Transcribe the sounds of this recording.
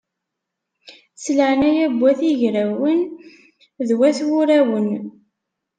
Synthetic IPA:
sləʕnæjæbʷːæθiʝɾæwən | ðwæθwʊɾæwən

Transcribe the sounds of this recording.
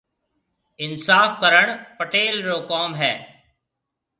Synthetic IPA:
ɪnsaːfkəɾəɳpəʈeːlɾoːkɔːmɦɛː

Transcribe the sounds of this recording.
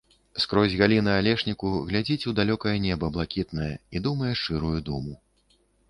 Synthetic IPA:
skɾɔzʲɣalʲinɨalʲɛʂnʲikuɣlʲad͡zʲit͡sʲud̪alʲɔkɐjɛnʲɛbɐblˠakʲit̪nɐjɛ̰id̪umɐjɛʂɨɾujud̪umu

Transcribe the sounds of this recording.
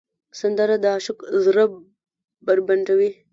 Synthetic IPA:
sɐnd̪ɐɾɐd̪aːʃukzɾɐ | bɐɾbɐɳʈɐwi

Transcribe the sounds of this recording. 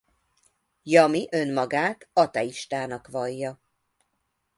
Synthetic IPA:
jɒmiʔø̞nmɒɡaːt̪ɒt̪ɛiʃt̪aːnɒkʋɒjːɒ

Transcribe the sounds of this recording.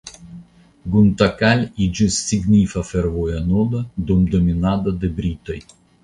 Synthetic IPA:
ɡʊnt̪ɐkalʲid͡ʒɪsːʲiɡnʲiːfɐfʲɛɾʋojɐnoːd̪ɐd̪ɔmd̪ɔmʲinad̪ɐd̪ɨbʲɾʲiːt̪ɔj

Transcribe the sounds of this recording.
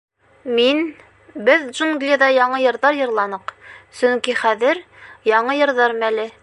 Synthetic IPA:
min | bɘðʒunɡlʲeðɑjɑɴɤjɤ̆ɾðɑɾjɤ̆ɾlˠɑnɤqsɵŋkiχæðɘɾ | jɑɴɤjɤ̆ɾðɑɾmælɘ

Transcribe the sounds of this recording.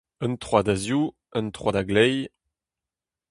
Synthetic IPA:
ə̃nt̪χwadazju | ə̃nt̪χwadaɡlɛj

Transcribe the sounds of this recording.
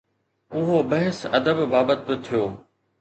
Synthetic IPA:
ʊɦobɐɦɪsɐd̪əbbaːbət̪̚bɪt̪ʰijoː

